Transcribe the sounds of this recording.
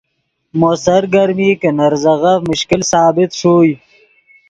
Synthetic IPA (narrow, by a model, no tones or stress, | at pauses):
mosɐɾɡɐɾmiːkənɐɾzɐɣɐfmʊɕkilsaːbɪt̪ʂoːj